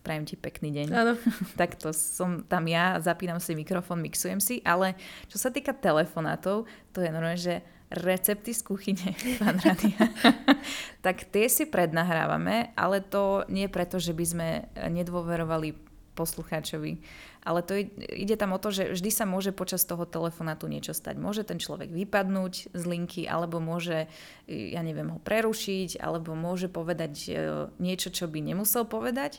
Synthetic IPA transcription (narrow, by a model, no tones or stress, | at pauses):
pɾajɛmcipɛkniːɟɛɲant̪akt̪ɔsɔmt̪amjazapiːnamsimikɾɔfɔːnmiksujɛmsiʔalɛt͡ʃɔsat̪iːkat̪ɛlɛfɔna̰ːt̪ɔʊt̪ɔjɛnɔɾmɛʒɛ | ɾɛt͡sɛp̚t̪iskuxiɲɛpaːnɾaːd̪ia | t̪akt̪ɪɛsipɾɛd̪naɦɾa̰ːʋa̰mɛʔa̰lɛt̪ɔɲɛpɾɛt̪ɔʒɛbizmɛɲɛd̪ʋɔʋɛɾɔʋali | pɔsluxaːt͡ʃɔʋḭ | ʔalɛt̪ɔɛḭɟɛt̪amɔt̪ɔʒɛvʒd̪isamʊɔʒɛpɔt͡ʃast̪ɔɦɔt̪ɛlɛfɔnaːt̪uɲɪɛt͡ʃɔst̪a̰ɟmʊɔʒɛt̪ɛnt͡ʃlɔ̰ʋɛ̰ɡʋipad̪nuːɟzliŋkʰiʔa̰lɛbɔmʊɔʒɛ | ja̰ɲɛʋɪɛmɦɔpɾɛɾuʃiɟa̰lɛbɔmʊɔʒɛpɔʋɛd̪aɟɲɪɛt͡ʃɔt͡ʃɔbiɲɛmusɛlˠpɔʋɛd̪ac